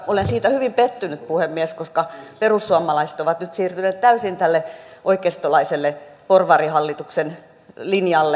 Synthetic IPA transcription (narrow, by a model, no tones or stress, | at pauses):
olensiːt̪æhyʋimpet̪ːynyt̪̚puhemːieskoskɑperusːuɑmˑɑlɑise̥t̪oʋɑt̪nyt̪siːrt̪yneːt̪t̪æysint̪ælːeʔoikest̪olɑiselːeporʋɑrihɑlːit̪uksen | linjɑlːe